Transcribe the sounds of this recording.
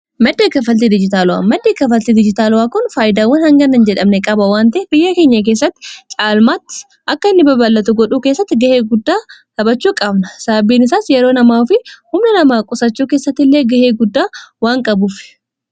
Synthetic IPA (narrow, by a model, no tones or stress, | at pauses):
mɐd̪ːeːkɐfɐlt̪id̪ɪd͡ʒɪt̪aːlʊwa̰ːmɐd̪ːeːkɐfɐlt̪id̪ɪd͡ʒɪt̪aːlʊwaːkʊnfaːjɪd̪aːwːɐnhɐŋɡɐnːɐnd͡ʒɛᶑɐmnɛkʼɐbɐwaːnt̪ɐʔɛb̥ɪjːɐkeːɲːɐk̬e̞ːs̬ːɐt̪ːɪ̥t͡ʃʼaːlmaːt̪ːɪ̥ | ʔɐkːɐɪnːɪbɐbɐlːɐt̪ʊɡɔᶑuːke̞ːsːɐt̪ːɪɡɐhe̞ːɡʊd̪ːaːsɐbɐt͡ʃːuːkʼɐbnɐsaːbiːnɪsaːsjɛɾoːnɐmaːfɪhʊmnɐnɐmaːkʼʊsɐt͡ʃːuːkeːsːɐt̪ːɪlːe̞ːɡɐheːɡʊd̪ːaːwaːŋkʼɐbʊfɪ̥